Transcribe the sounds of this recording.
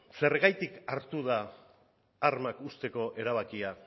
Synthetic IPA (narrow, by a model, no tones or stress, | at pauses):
se̞rɣajt̪ikaɾt̪uðaː | ɾmakust̪e̞ko̞ʔe̞ɾaβ̞akia